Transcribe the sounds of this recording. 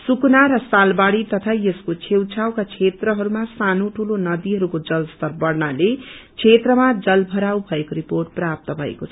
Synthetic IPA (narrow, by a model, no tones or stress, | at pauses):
suknaɾʌsalbaɽit̪ʌt̪ʰajʌskot͡sʰewt͡sʰawkat͡sʰet̪rʌɦʌɾumasanoʈʰulonʌd̪iɦʌɾukod͡zʌlst̪ʌrbʌɽnalet͡sʰet̪rʌmad͡zʌlbʱʌɾawbʱʌekoɾiporʈ̚prap̚t̪ʌbʱʌḛkot͡sʰʌʌ